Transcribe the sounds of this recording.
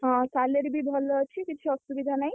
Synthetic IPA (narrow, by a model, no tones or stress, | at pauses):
ɦãt̪aleɾbʱibʱɔlt͡ʃʰikit͡ʃʰiɔsubid̪ʱanaj